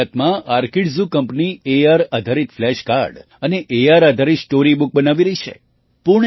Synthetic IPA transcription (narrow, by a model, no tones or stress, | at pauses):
ət̪mãʔaɾkiɖzukəmpnieaɾad̪ʱaɾit̪flɛʃka̰ɾɖ | əneʔeaɾad̪ʱaɾit̪sʈoɾibuk̚bənaʋiɾəɦit͡ʃʰḛ | puɳ